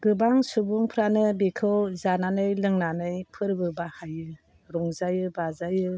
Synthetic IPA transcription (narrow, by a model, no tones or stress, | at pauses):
ɡɯbaŋsubuŋpʰɾanɯbekʰɯwzananɯjlɯŋnanɯjpʰɯɾbɯbahajɯ | ɾɔŋzajɯbazajɯ